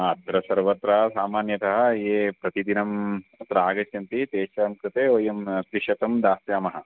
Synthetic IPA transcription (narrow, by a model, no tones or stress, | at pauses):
ɐd̪ɾɐsɐɾʋɐt̪ɾɐɐsaːmaːnjɐt̪ɐɦɐ̆eːpɾɐt̪id̪inɐmt̪ɾaːɡɐsjɐnt̪it̪eːʃɐɾɐmkɾɐt̪eːoːjɐmt̪ɾiʃɐt̪ɐmd̪aːsjaːmɐɦɐ̆